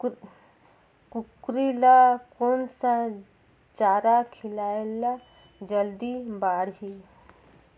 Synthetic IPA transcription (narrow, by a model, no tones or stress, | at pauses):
kukɾilakonsa | t͡ʃaːɾakʰɪlaːela | d͡ʒəld̪ibaːɽɦi